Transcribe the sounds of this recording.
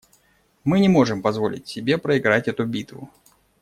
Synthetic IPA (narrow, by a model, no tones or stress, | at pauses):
mɨnʲɪmo̞ʐɨmpɐzvo̞̰lʲɪ̰tʲsʲɪbʲe̞pɾəɪɡɾatʲɛt̪ʊbʲit̪vʊ̰